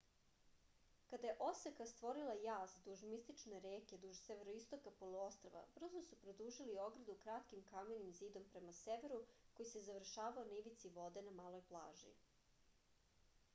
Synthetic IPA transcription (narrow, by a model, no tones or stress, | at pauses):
kad̪aje̞ʔo̞sekast̪ʋo̞ɾilˠajaːzd̪uʒmist̪it͡ʃne̞ɾeːke̞d̪uʒseʋeɾoist̪okapo̞lˠuo̞st̪ɾoʋa̰br̩zosupɾod̪uːʒilio̞ɡɾad̪ukɾat̪kimkamenimziːd̪o̞mpɾe̞maseʋe̞ɾuko̞jise̞zaʋr̩ʃaːʋaoniʋit̪siʋo̞d̪e̞namaːlo̞jplˠa̰ːʒḭ